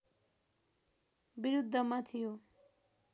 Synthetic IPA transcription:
biɾud̪ʱːʌmat̪ʰijo

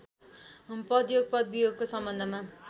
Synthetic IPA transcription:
pʌd̪joɡ̚pʌd̪̚bijoɡ̚kosʌmbʌnd̪ʱʌma

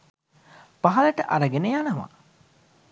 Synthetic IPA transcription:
paɦɐləʈəʔɐɾəɡenejanəʋa̰

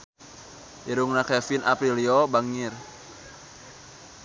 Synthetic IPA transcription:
iɾuŋnakɛfina̰pɾiliɔbaŋir

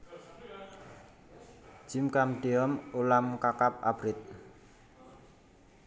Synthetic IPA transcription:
d͡ʒ̥imkamɖ̥eɔmulamkakap̚a̰b̥ɾɪt̪̚

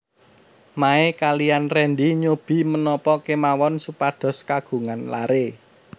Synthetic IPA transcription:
maekalijanrɛnd̪iɲob̥i̤mənɔpɔkemawɔnsupad̥ɔ̤skaɡ̥ṳŋanla̰ɾe

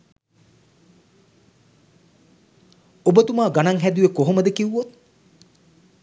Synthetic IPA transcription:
obət̪umaːɡanaŋɦæd̪ujekoɦoməd̪əkiʋuːot̪̚

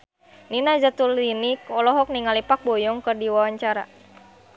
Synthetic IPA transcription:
ninad͡ʒat̪ulinikɔlɔɦɔk̚niŋalipak̚bɔjɔŋkɨrdiwawaɲt͡ʃaɾa̰

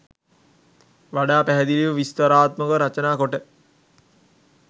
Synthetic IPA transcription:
ʋaɖaːpæɦɛd̪iliʋəʋist̪əɾaːt̪məkəɾat͡ʃənaːkoʈə

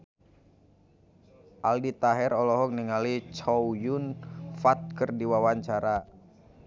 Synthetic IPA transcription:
ʔaldit̪aɦɛɾɔlɔɦɔkniŋalit͡ʃɔwjunfat̪̚kərdiwawaɲt͡ʃaɾa

